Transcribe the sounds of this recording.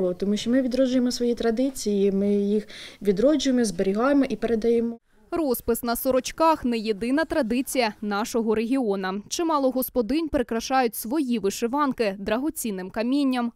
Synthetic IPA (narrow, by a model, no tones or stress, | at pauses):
lˠɔt̪ɔmuʃʲt͡ʃɔmɪʋʲid̪ɾɔʒʊjemɔsʋɔjit̪ɾɐd̪ɪt͡sʲijimɪjixʋʲid̪ɾɔd͡ʒʊjemɔzbeɾʲiɦɑjemɔʔipeɾed̪ɐjɛmɔ | rɔspɪsnɐsɔɾɔt͡ʃkɑxnɛjed̪ɪnɐt̪ɾɐd̪ɪt͡sʲijɐnɑʃɔɦɔɾeɦʲiɔnɐt͡ʃɪmɑlˠɔɦɔspɔd̪ɪnʲpeɾekɾɐʃɑjʊtʲsʋɔjiʋɪʃɪʋɑnkɪd̪ɾɐɦɔt͡sʲinɪmkɐmʲinʲːɐm